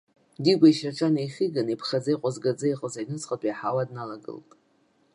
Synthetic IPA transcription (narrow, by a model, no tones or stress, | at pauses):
diɡʷaiʃaʈ͡ʂʰʼanajχʲiɡanipʰχad͡zajqʷʼazɡad͡zaiqʼəzajnɨt͡sʰʼχʼatʼajħawadnalaɡɨ̰ltʼ